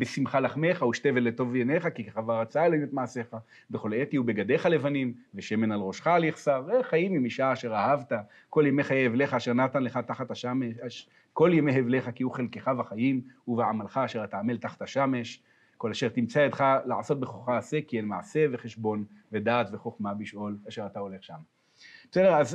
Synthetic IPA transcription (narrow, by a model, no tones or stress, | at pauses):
besimχalaχmeχauʃt̪evelet̪o̞vjeneχakikaχavaʁat͡saeloimet̪maʕaseχa | beχo̞let̪iube̞ɡad̪e̞χale̞vanimveʃeme̞nalʁo̞ʃχaːleχsaʁeχajimimiʃaːʃe̞ʁahavt̪a | ko̞ljemeχajeevle̞χaːʃe̞ʁnat̪anleχat̪aχat̪haʃameaʃ | ko̞ljemeɦevle̞χakiuχelkeχavaχajimuveʕamalχaːʃe̞ʁat̪aːmeltaχḁt̪haʃame̞ʃ | ko̞laʃe̞ʁt̪imt͡saet̪χalaʕaso̞t̪̚beχoχaːse̞kienmaʕase̞ve̞χeʃbo̞nve̞d̪aːt̪ve̞χo̞χmabiʃʔo̞laʃe̞ʁat̪ao̞le̞χʃam | b̥esedeaz